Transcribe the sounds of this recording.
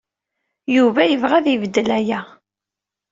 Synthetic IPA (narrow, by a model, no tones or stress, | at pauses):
juvæjəvʁæðivəd̪ːəlæjæ